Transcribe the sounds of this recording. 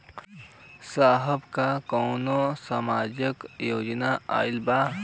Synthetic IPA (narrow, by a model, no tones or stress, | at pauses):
saːɦəbkakɔːnosamaːd͡ʒəkjoːd͡ʒnaa̰ːɪlba